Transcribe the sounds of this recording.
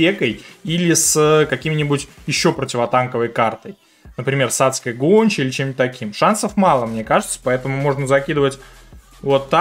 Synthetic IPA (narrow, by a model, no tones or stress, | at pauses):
ekəjilʲɪsəkɐkʲimʲɪnʲɪbʊtʲjɪɕːo̞pɾətʲɪvɐt̪ankəvəjkart̪əj | nəpɾʲɪmʲe̞rsat̪skəjɡonʲt͡ɕɪilʲɪt͡ɕemʲtʲt̪ɐkʲimʂansəfmɑlˠəmnʲe̞kaʐɨt̪sə̥pɐɛt̪əmʊmo̞ʐnəzɐkʲid̪əvətʲ | vot̪ːa